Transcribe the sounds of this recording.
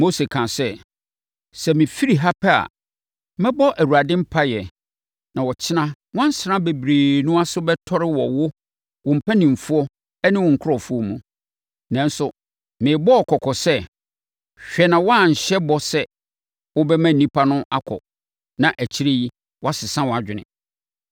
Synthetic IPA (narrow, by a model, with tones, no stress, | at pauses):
mo˦se˨kʰã˨sɛ˦˨ | sɛ˨mĩ˨fi˦ɾi˨ɦa˦pʰɛ˦a̰˨ | mɛ̃˦bɔ˦ʔæ˨wu˨a˨dɪ̃˦m̩˦pʰa˦jɛ˨ | nã˨wɔ˨t͡ɕʰɪ˦nã˦ | wã˦n̩˦sɪ˨nã˦be˨bɾeː˨nũ˦a˦sʊ˦bɛ˦tʰɔ˦ɾɪ˦wɔ˨wʊ˦ | wʊ̃˨m̩˨pʰæ˦nĩ˨m˨fu˦ɔ˦ | ɛ˦nɪ̃˦wʊ̃˨ŋ̩˨kʰʊ˦ɔ˨fu˦ɔ˦mũ˨ | nã˨n˦sʊ˨ | mɪ̃˨bɔ˦ɔ˨kʰɔ˨kʰɔ˨sɛ˦ | ɕᶣɛ˨nã˨wɔ˦a˦˨ɲ̩˨ɕɛ˦bɔ˦sɛ˦ | wʊ˦bɛ˦mæ̃˦˨nĩ˦pʰa˦nʊ̃˦a˦kʰɔ̰˨ | nã˨ʔæ˨t͡ɕʰi˦ɾe˦ji˦ | wɔ˦a˦sɪ˨sã˦wɔ˨a˨d͡ʑᶣɪ˨nɪ̰̃˨